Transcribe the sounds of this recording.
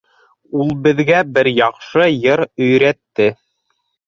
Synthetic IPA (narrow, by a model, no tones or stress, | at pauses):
ulˠbɘ̆ðɡæbɘɾjɑqʃɤjɤɾɵ̆jɾæt̪ːɘ